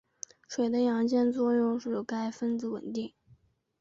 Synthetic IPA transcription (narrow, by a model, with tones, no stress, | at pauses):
ʂwe˨˩ɪd̪ə˦jɑ˧˥ŋt͡ɕjɛ˥˧nt͡swɔ˥˧jʊ˥˧ŋʂɻ̩˥˩ka˥ɪfə˥nd͡zɹ̩˧˥wə̰˨˩nt̪i˥˩ŋ